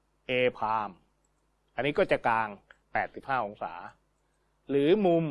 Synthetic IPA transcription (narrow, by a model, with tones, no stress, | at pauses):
ʔeː˧pʰaː˧m | ʔa˧nːiː˦˥kɔː˥˩t͡ɕa˨˩kaː˧ŋpɛː˨˩t̪̚si˨˩p̚haː˥˩ʔo˧ŋsa̰ː˩˦ | ɾɯː˩˦mu˧m